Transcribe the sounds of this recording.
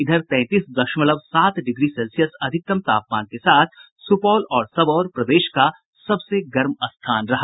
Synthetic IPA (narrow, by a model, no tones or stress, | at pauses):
ɪd̪ʱəɾt̪ɛ̃ːt̪iːsd̪ɐkʃmɐləbsaːt̪ɖɪɡɾiselsijəsɐd̪ʱɪk̚t̪ɐmt̪a̰ːp̚maːnkesaːt̪ʰ | sʊpɔːlɔːɾsɐbɔːɾpɾɐd̪eːʃka | sɐbseɡɐɾmɐst̪ʰaːnɾɐɦa